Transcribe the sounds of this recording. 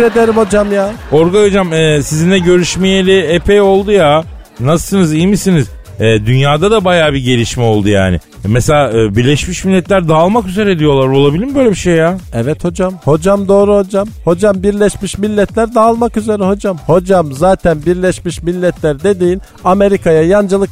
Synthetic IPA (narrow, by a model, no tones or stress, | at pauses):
ɾed̪eɾimho̞d͡ʒamjaːoɾɡaod͡ʒamɛːsizind̪ɛɟø̞ɾyʃmijelʲiepʰejo̞lˠd̪uja | nasɯ̥sɯnɯzijmisiniz̥ | ɛːd̪ynjaːd̪ad̪abajaːbiɟelʲiʃmɛo̞lˠd̪uja̰ːnɪ̰ | mɛselʲaːʔɯːbiɾlʲɛʃmiʃmilʲːɛt̪ʰlʲæɾd̪aːlˠmakyze̞ɾɛd̪ijo̞lˠaɾo̞lˠabilʲimbøjlʲebiʃejːaːɛvɛt̪ho̞d͡ʒamho̞d͡ʒamd̪o̞ːɾuhod͡ʒamho̞d͡ʒambiɾlʲɛʃmiʃmilʲːɛt̪ʰlʲæɾd̪aːlˠmakyze̞ɾɛho̞d͡ʒamho̞d͡ʒamzaːt̪ʰænbiɾlʲɛʃmiʃmilʲːɛt̪ʰlʲæɾd̪e̞d̪iːn | ame̞ɾikʰajajand͡ʒalˠɯk